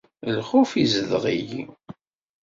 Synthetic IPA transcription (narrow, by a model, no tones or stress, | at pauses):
lχufizəlʁiji